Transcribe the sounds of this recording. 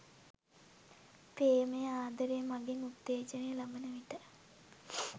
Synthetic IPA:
peːməjəaːd̪ɐɾejəmaɡeŋut̪ːeːd͡ʒənejəlabənəʋiʈə

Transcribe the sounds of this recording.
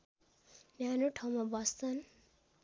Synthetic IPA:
njanoʈʰaw̃mabʌst͡sʰʌn

